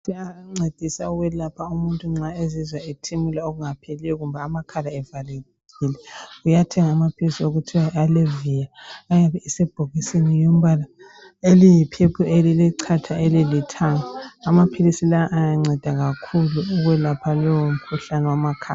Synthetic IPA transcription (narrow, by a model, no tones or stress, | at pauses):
siaŋ͡ǀed̥ʱisauɣwɛlapʰaumuntʼuŋ͡ǁaezizwaetʰimulaoɣuŋapʰelijɔɣumbʱaːmakʰalaɛvaleɣilɛujatʰɛŋaːmapʰilisioɣutʰiwaalevijaːjaβɛisɛb̥ʱoɣisinijom̩βala | elijipʰepʰueliliǀʰatʰaelilitʰaŋaːmapʰilisilaʔajaŋ͡ǀʱɛd̥ʱaɣakʰuluːɣwɛlapʰalɔwom̩kʰuɬanɛwamakʰaa